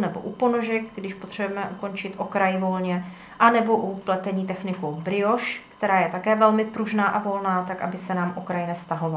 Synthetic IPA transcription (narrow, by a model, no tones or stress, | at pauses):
nɛbo̞̰ʔupo̞noʒɛk̚ɡdɪʃpot̪r̝̥ɛbujɛmɛʔuko̞nt͡ʃɪt̪ʔo̞kɾajvo̞lɲɛ | ʔanɛbo̞ʔuplɛt̪ɛɲiːt̪ɛxnɪkowbɾɪo̞ʃkt̪ɛɾaːjɛt̪akɛːvɛlmɪpɾuʒnaːʔavo̞lnaːt̪akʔa̰bɪsɛnaːmʔokɾajnɛfst̪aɦo̞va